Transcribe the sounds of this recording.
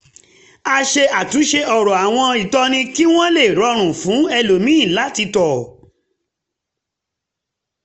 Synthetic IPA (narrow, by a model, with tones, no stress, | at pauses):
a˧ʃe˧ʔa˨tu˨˦ʃe˧ʔɔ˨ɾɔ˨a˨w̃ɔ̃˧i˨tɔ˧nĩ˧ki˦w̃ɔ̃˦le˦˨ɾɔ˧˦ɾ̃ũ˨fũ˨˦ɛ˧lo˨mĩ˦i˦˨la˨˦ti˧tɔ˨